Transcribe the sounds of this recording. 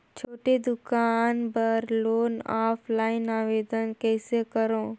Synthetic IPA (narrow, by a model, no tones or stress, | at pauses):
t͡ʃʰoːʈed̪ʊkaːnbəɾloːnaːpʰlaːɪnaːʋeːd̪ənkeːsekəɾõː